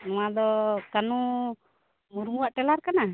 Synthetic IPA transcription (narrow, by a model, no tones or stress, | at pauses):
nɔ̃wad̪ɔkanu | muɾmuwaʔʈɛlaɾkana